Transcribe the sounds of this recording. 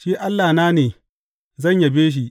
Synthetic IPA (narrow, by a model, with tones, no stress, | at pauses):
ʃiː˦ʔa˦lːaː˨naː˦neː˨ | zɐ˦˨ɲja˨beː˦ʃ̬i˦